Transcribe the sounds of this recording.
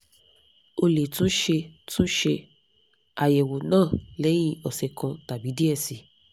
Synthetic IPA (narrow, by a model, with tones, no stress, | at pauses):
o˧le˨tũ˦ʃe˧tũ˦ʃe˧ | a˨jɛ˨wo˨nãː˦˨lɛ˨˦j̃ĩ˦˧˦ɔ˨sɛ˨kã˧ta˨bi˨˦di˦ɛ˦˨si˨